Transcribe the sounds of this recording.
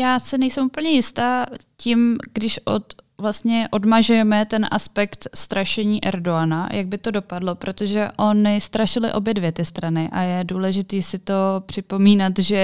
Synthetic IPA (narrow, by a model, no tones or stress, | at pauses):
jaːsɪnɛjsɛmʔuːpl̩ɲɛjɪst̪aːcimɡdɪʃʔot̪vlast̪ɲɛʔo̞dmaʒujɛmɛt̪ɛnʔa̰spɛkt̪st̪ɾaʃɛɲiːʔɛ̰ɾdoana̰jʔaɡ̚bɪt̪o̞do̞padlo̞pɾo̞t̪o̞ʒɛʔo̞nɪst̪ɾaʃɪlɪ̰ʔo̞bjɛdvjɛt̪ɪst̪ɾanɪʔa̰jɛduːlɛʒɪt̪iːsɪt̪o̞pr̝̥ɪpo̞miːnat̪ʒɛ